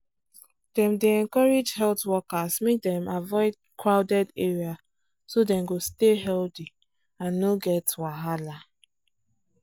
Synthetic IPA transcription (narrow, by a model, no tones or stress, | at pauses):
d̥ɛ̃mdeɛ̃nkɔɹed͡ʒhɛltwɔkasmek̚dɛ̃mavɔɪd̚ | kɹaʊdɛdeɹia | sodɛ̃mɡosteɦɛlti | ãnːoɡɛtwaɦala